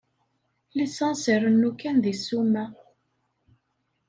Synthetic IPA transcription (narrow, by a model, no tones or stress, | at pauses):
lisɑnsiɾˤənːukænðisumæ